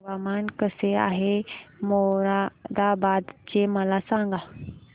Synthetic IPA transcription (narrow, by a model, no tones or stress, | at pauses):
ʋamankəsea̰ɦemoɾad̪abad̪t͡ɕeməlasãŋɡa